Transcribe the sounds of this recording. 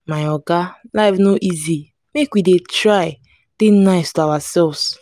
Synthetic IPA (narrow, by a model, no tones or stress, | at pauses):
maɪɔɡalaɪfnoʔizi | mekwidetɹaɪ | tẽnaɪstuawasɛlvs